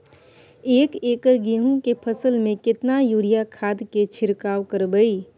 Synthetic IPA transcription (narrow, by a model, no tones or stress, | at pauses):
eːkeːkəɾɡiɦũkepʰəsəlmẽkɪt̪najuːɾijakʰaːd̪ket͡ʃʰɪɾkaːʋkəɾbəiː